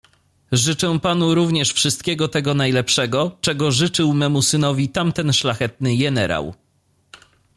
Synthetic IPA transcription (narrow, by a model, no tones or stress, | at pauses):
ʐɘt͡ʂɛ̃pan̪uɾuvɲɛʂfʂɘst̪̚kʲɛɡɔt̪ɛɡɔnajlɛpʂɛɡɔt͡ʂɛɡɔʐɘt͡ʂɘwmɛmusɘnɔvʲit̪amt̪ɛnʂlaxɛt̪̚nɘjɛnɛɾa̰w